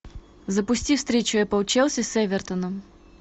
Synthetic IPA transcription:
zəpʊsʲtʲifst̪ɾʲet͡ɕʊjapəʊt͡ɕɛlˠsʲəsʲɛvʲɛrt̪ənəm

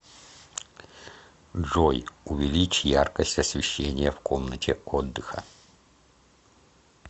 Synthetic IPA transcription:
ʐojʊvʲɪlʲit͡ɕjarkəsʲtʲɐsvʲɪɕːenʲɪjəfkomnətʲʰɪod̪ːɨxə̰

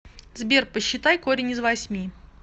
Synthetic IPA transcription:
zbʲerpəɕːɪt̪ajkoɾʲɪnʲɪzvɐsʲmʲi

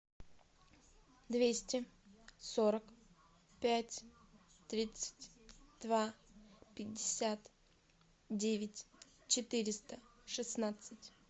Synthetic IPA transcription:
d̪vʲesʲtʲɪsoɾək | pʲætʲ | t̪ɾʲit̪sɨ̥tʲd̪̥vapʲɪdʲːɪsʲat̪ | dʲevʲɪtʲ | t͡ɕɪt̪ɨɾʲɪst̪əʂɨsnat̪sɨtʲ

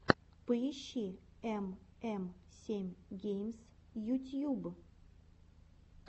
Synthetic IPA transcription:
pəɪɕːiɛmɛmsʲemʲɡʲejmsjut̪ʲjub

